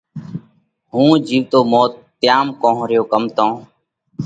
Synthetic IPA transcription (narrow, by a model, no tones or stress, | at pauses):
ɦũːd͡ʒiːʋt̪oːmoːt̪ːɪjaːmkõːɦɾɪjoːkəmt̪õː